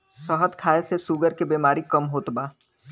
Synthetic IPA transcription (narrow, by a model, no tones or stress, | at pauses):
səɦət̪kʰaːesesuːɡəɾkebeːmaːɾikɐmɦoːt̪baː